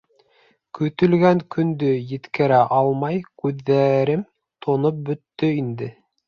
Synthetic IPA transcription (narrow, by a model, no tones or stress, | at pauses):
kɵ̆t̪ɵ̆lɡæŋkɵ̆nd̪ɵjɘ̆t̪kɘ̆ɾæʔɑlˠmɑjkʉðːæɾɘm | t̪ʰŏnop̚bɵ̆t̪ːɵind̪ɘ